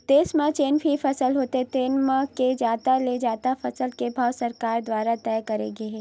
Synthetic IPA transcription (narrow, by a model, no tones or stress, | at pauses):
t̪eːsmãt͡ʃeːnpʰifɐsəlɦoːt̪eɦɛt̪eːnmãked͡ʒaːt̪aled͡ʒaːt̪afɐsəlkebʱaːʋsɐɾkaːɾd̪waːɾat̪ɛːkɐɾḛːɡeɦɛː